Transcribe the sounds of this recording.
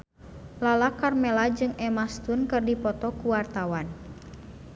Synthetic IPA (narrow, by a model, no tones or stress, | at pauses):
lalakarmɛlad͡ʒɨŋɛmast̪unkɨrdipɔt̪ɔkuwart̪awan